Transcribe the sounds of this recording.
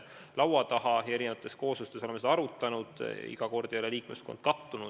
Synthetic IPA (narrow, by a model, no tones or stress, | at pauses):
lɑwɑt̪ɑhɑjɑe̞ɾinevɑt̪ːˑe̞sko̞ːsust̪e̞soemseɑɑɾut̪ːˑɑnud̪̥ḭɡ̥ɑko̞rd̪ijɑleliːkmesko̞nd̪̥̚kɑt̪ːunu